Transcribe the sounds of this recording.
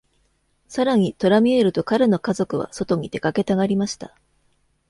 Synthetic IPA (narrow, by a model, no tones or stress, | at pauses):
saɾaɲ̟it̪o̞ɾamʲie̞ɾɯ̟t̪o̞kaɾɯno̞kazo̞kɯ̟βa̰so̞t̪o̞ɲ̟it̪e̞̥kake̞t̪aɡaɾʲimaɕi̥t̪a